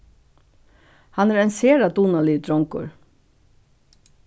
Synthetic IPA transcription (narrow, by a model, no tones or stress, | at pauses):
hɑnæːɾeːnseːɾɑd̪unɑliːd̪ɾɔŋkʊ̰ɹ